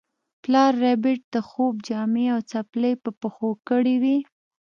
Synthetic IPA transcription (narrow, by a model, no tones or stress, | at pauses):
plɑɾːabɪʈ̚d̪əxob̚d͡ʒɑmeawt͡sapləjpəpəxokəɽiwi